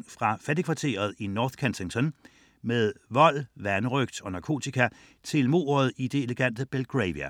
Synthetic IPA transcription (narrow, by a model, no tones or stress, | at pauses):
ŋfʁɑ̈fæd̥i̥kʰʋɑ̈t͡sʰe̝̰ːɐð̞̩ˠinɒːθkʰensʰeŋt͡sʰɒ̽n | með̞ˠʋɒ̽l̰ʋænəʁœɡ̥̚d̥ɒ̽nɑ̈kʰo̝̰ːt͡sʰikʰæ | t͡sʰe̝lmo̝̰ːɐð̩ˠid̥e̝eləɡ̥æn̰d̥əb̥elɡ̥ʁɛɪʋiæ